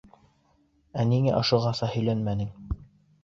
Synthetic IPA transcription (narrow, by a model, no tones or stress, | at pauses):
æniŋæʔŏʃŏʁɑsɑhɵ̆jlænmænɘŋ